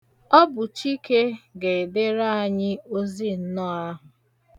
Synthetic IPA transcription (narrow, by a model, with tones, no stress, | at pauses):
ɔ˦bʊ˨t͡ʃi˦ke˦ɡe˨e˨de˦ɾa˦a˨ɲɪ˦o˦zi˦n̩˦nɔ˦a˦ɦʊ˨